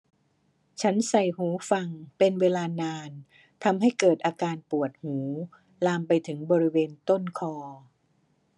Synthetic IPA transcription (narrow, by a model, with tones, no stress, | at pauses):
t͡ɕʰa˦˥nsa˨˩jhuː˩˦fa˧ŋpe˧nweː˧laː˧naː˧n | t̪ʰa˧mɦa˥˩jkɤː˨˩t̪̚ʔaː˧kaː˧npu˨˩ət̪̚huː˩˦ | laː˧mpa˧jt̪ʰɯ˩˦ŋbɔː˧ɾi˦˥weː˧nt̪o˥˩nkʰɔː˧